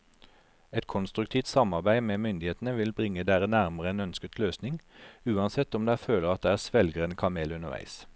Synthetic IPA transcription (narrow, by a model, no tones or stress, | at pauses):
ɛt̪kʰɔnst̪ʁʉk̚t̪ʰiːft̪sɑmɑʁbæɪmeːmʏnd̪ɪheːt̪nəʋɪlbʁɪŋːəd̪eːʁənæʁməʁəɛnœnskət̪ʰløːsnɪŋʉːɑnsɛt̪ːɔmd̪æføːləʁɑt̪̚d̪eːæːʁsʋɛlɡəʁənkʰɑmeːlʉnəʁʋæ̰ɪs